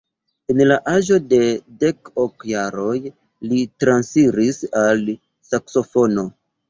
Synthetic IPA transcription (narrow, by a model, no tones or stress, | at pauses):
enlaʔaʒo̞de̞de̞kokjaɾo̞j | litɾansiɾisal | sakso̞fo̞no̞